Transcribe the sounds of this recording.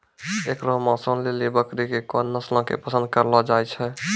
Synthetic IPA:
ekɾɔɦmãsə̃nlelebəkɾikekɔnːəslɔ̃kḛpəsə̃nd̪̚kəɾlɔd͡ʒajt͡ʃʰɛ

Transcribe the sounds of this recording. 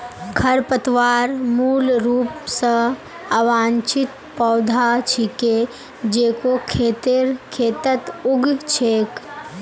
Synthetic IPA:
kʰɐɾpət̪waːɾmuːlɾuːpsə | aʋaːnt͡ʃɪt̪ | pɔːd̪ʱat͡ʃʰike | d͡ʒeːkokʰeːt̪ɪɾkʰeːt̪ət̪ʊɡt͡ʃʰeːk

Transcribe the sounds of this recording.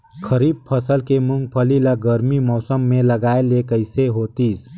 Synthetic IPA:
kʰəɾib̚pʰəsəlkemuŋɡ̚pʰəliləɡəɾmimɔːsəmːeləɡaelekəɪseɦoːt̪is

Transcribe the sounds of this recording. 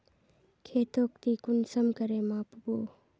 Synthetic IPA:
kʰeːt̪oːk̚t̪ikʊnsəmkəɾeːmãːpboː

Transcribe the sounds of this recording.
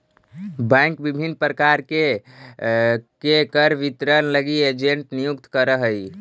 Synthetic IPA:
bɛ̃ŋkbibʱinpɾəkaɾke | kekəɾʋit̪ɾənləɡied͡ʒeɳʈnijukt̪kəɾəɦəj

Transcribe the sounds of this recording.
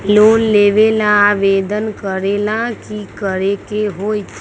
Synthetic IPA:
loːnleːʋelãaʋeːd̪ənkəɾeːlãkikəɾekeɦoːit̪ʰ

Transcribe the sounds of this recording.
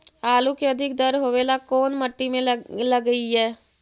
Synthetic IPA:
aːlukiəd̪ʱɪk̚d̪əɾɦoːʋelakɔːnməʈːimẽləɡəiɦɛː

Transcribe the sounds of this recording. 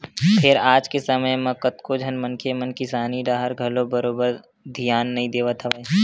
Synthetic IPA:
pʰeɾaːd͡ʒkesɐməjmɐ̃kət̪kod͡ʒʱɐnmɐnkʰemɐnkɪsaːniɖaːɦəɾɡʱɐlobɐɾoːbəɾ | d̪ʱijaːnːɐɦĩd̪eːʋət̪ʰɐʋə

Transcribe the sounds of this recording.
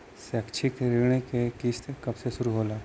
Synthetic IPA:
seəkt͡ʃʰikɾɪɡɽ̃ekekiːst̪kɐbsesʊɾuɦoːlaː

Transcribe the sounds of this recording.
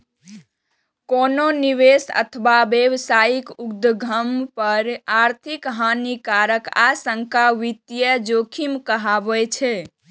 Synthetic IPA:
kononiʋesə̰t̪ʰbabewsajikukd̪ɡʱəmpəɾaɾt̪ʰikɦanikaɾəka̰səŋkaʋit̪jəd͡ʒokʰimkəɦabɛt͡ʃʰɛ

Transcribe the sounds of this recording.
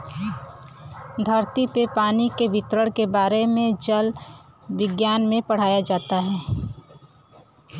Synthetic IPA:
d̪ʱɐɾt̪ipepaːnikeʋɪt̪ɾəɽkebaːɾemẽd͡ʒəlʋɪɡjaːnmẽpɐɽ̤aːjad͡ʒaːt̪aɦɛː

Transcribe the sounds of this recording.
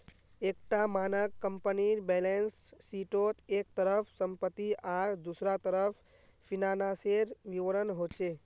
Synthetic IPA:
ekʈamanəkːəmpəniɾbɛlensːiʈot̪ʰeːk̚t̪əɾəpʰsəmpət̪ːiʔaːɾd̪usɾat̪əɾəpʰ | pinanaseɾʋiʋəɾənɦot͡ʃe

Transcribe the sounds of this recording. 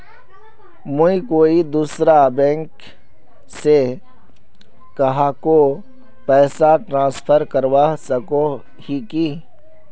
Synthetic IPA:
mʊ̃ĩkoːid̪uːsɾabɛ̃ːŋk | se | kɐɦako | pɛːsaʈɾãːnspʰəɾkəɾwasɐko | hiki

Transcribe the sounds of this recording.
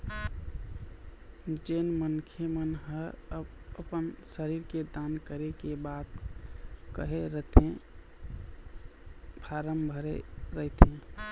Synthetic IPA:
d͡ʒenmənkʰemənɦəbəpənsəɾiːɾked̪ankəɾekebad̪ | kəɦeɾəɦt̪ẽ | bʱaɾəmbʱəɾeɾəɦɪt̪ẽ

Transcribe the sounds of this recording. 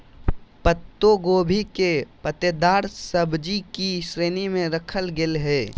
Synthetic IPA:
pət̪ːoɡoːbʱikepət̪ed̪aːɾsəbʱd͡ʒikiʃɾeːnimẽɾəkʰəlɡɪlɦɛː

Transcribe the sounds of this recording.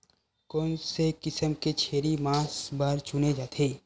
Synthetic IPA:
kɔːnsekɪsəmket͡ʃʰeːɾimãːsbaːɾt͡ʃʊned͡ʒaːt̪ʰeː

